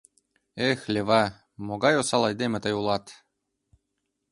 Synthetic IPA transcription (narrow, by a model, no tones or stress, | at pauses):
exlʲeβɑ | moɣɑjosɑlˠɑjd̪emĕt̪əjulˠɑt̪